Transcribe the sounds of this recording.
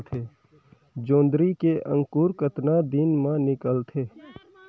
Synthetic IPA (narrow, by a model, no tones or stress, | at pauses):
t̪ʰeː | d͡ʒõːnd̪ɾikeʔə̰̃ŋkuːɾkət̪nad̪inmãnɪkəlt̪ʰeː